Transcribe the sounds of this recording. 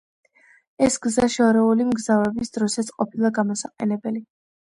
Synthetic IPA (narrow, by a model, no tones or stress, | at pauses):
ɛsɡzaʃɛɔɾɛulimɡzavɛbisd̪ɾɔsat̪sʰʼqʼɔpʰilˠaɡamɔsaqʼɛnɛbɛli